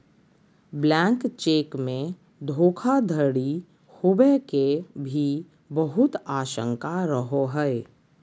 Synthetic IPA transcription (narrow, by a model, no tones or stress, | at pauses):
blɛ̃ːŋkt͡ʃeːkmẽ | d̪ʱoːkʰad̪ʱəɽi | hʊbekebʱi | bəɦʊt̪aːʃə̰̃ŋkaɾəɦoɦɛe